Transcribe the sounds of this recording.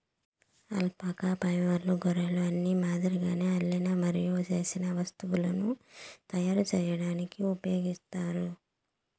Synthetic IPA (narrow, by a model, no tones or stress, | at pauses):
ɐ̰lpaːkaːpɐjʋɐɾluɡɔɾɐluɐnːimaːd̪iɾiɡaːneːɐlːɐjnɐmɐɾijoːt͡ʃe̞ːsinɐʋɐst̪uwulɐnut̪ɐjaːɾut͡ʃɛːjɐɽaːnikiupɐjo̞ːɡist̪aːɾu